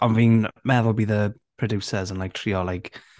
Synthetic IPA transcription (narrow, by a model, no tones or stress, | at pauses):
ə̃nviːnmɛðɔlˠbiðəpʰɹ̥ɔdjuːsəzə̃nlajk̚tʰɹiːɔlajk